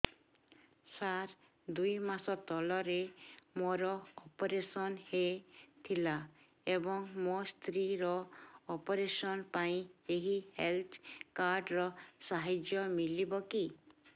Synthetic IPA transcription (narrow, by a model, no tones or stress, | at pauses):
saɾ | d̪ujmasɔt̪ɔlɔɾemoɾɔɔpɔɾesɔnhet̪ʰila | ebɔŋmost̪ɾiɾɔːpɔɾesɔnpaĩeɦihelt̪ʰkaɾɖɾɔsaɦid͡ʒjɔmilibɔki